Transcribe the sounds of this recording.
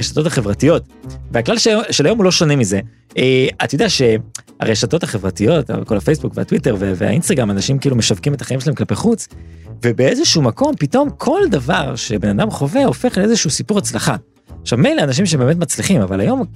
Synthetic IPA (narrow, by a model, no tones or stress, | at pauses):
eʃato̞taχe̞vʁatijo̞tveaklalʃʃelajo̞mulo̞ʃonemize̞ | ʔeatjod̪eaʃe̞ | a̰ʁeʃato̞thaχe̞vʁatijo̞ta̰ko̞lafe̞jsbukvea̰twiteʁvevḛa̰ʔinst̪aɡʁamanaʃimkiilume̞ʃavkimet̪ḁχaimʃelaemklapeχut͡s | vebeezeʃuumako̞mpito̞mkʰo̞ld̪avaʁʃe̞be̞nadamχo̞veo̞fe̞χleezeʃuusipuʁat͡slaχa | aχʃavmejleanaʃ̬imʃeebeme̞tmat͡sliχimavalajo̞m